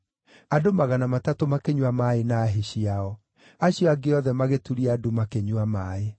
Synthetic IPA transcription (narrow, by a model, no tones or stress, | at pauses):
adomaɣanamatatomakeɲwamaenaːɦeɕiaɔ | aɕjɔaɡeɔðɛmaɣetuɾiadomakeɲwamaːe